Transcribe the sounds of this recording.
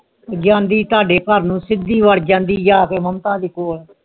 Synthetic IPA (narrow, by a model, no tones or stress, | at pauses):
d͡ʒãːnd̪iːt̪ʊaːɖeːkəɾnũːsɪd̪iːʋəɽd͡ʒãːnd̪iːd͡ʒaːkeːməmt̪ãːd̪iːkoːl